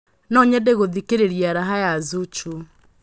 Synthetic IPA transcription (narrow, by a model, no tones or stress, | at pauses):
nɔɲɛdeɣoðikeɾeɾjaɾaɦajazut͡ʃu